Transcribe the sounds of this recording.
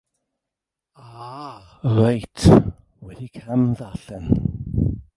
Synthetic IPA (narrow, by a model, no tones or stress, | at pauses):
aː | rajtʰ | wɛdikʰamðaɬɛn